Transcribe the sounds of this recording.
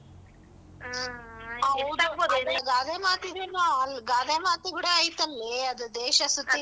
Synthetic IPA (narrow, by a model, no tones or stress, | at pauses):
ɐʋud̪uɐlɐɡaːd̪emaːt̪id̪ɐnoɐlɡaːd̪emaːt̪uɡuɽeajt̪ɐnleɐd̪ud̪eːʃɐsut̪ːi